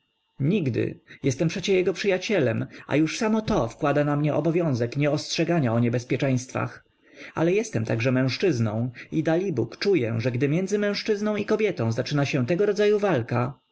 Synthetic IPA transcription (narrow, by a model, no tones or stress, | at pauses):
ɲiɡd̪ɘ̰jɛst̪ɛmpʂɛt͡ɕɛjɛɡɔpʂɘjat͡ɕɛlɛma̰juʂsamɔt̪ɔfkwad̪anamɲɛʔɔbɔvʲjɔ̃w̃zɛkɲɛɔstʂɛɡaɲaɔɲɛbɛspʲjɛt͡ʂɛ̃j̃st̪fa̰x | a̰lɛjɛst̪ɛmt̪aɡʐɛmɛ̃w̃ʂt͡ʂɘznɔ̃w̃id̪alʲibukt͡ʂujɛʐɛɡd̪ɘmʲjɛnzɘmɛ̃w̃ʂt͡ʂɘznɔ̃w̃ikɔbʲjɛt̪ɔ̃w̃zat͡ʂɘnaɕɛ̃t̪ɛɡɔɾɔd̪zajuvalka